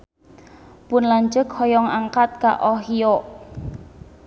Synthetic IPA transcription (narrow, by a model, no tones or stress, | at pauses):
pʊnlaɲd͡ʒəkhɔjɔŋaŋkat̪̚ka̰ʔɔɦijoʔ